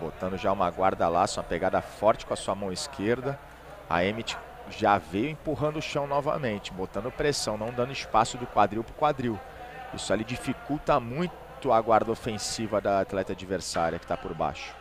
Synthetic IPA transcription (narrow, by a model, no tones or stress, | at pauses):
bo̰t̪ɐ̃nd̪ʊʒaũmɐɡwaɾd̪ɐla̰sũmɐpeɡad̪ɐfɔɾt͡ʃɪkõɐsuɐmɐ̃w̃iskʰeɾd̪ɐ | ɐ̰emit͡ʃɪ̥ | ʒavejʊẽpuɦɐ̃nd̪ʊʃɐ̃w̃nɔvɐ̰mẽnt͡ʃɪ̥bot̪ɐ̃nd̪ʊpɾesɐ̃w̃nɐ̃w̃d̪ɐ̃nd̪ʊispasʊd̪ʊkwad̪ɾiwpɾʊkwad̪ɾiw | ḭsʊalid͡ʒifikuwt̪ɐmũj̃ | t̪ʊɐɡwaɾd̪ɐofẽsivɐd̪ɐat̪lɛt̪ɐad͡ʒiveɾsaɾiɐkɪ̥t̪apoɾba̰ʃʊ̥